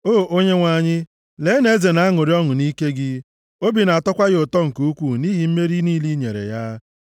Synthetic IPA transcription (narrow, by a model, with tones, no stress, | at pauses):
oː˦˨ʔo˦ɲe˦ŋʷa˨ɲɪ˦ | le˨˦ne˦ze˨na˨˦a˦ŋʊ˨ɾi˦ɔ˦ŋʊ˨ni˦ke˦ɡɪ˦ | o˦bi˨na˨a˨tɔ˦kʷa˦ɣɪ˦ʊ˨tɔ˦ŋ̩˨ku˦u˦kʷu˦ni˦ɦi˨m̩˦me˦ɾi˦niː˦li˦ɲḛ˨ɾḛ˨ja˦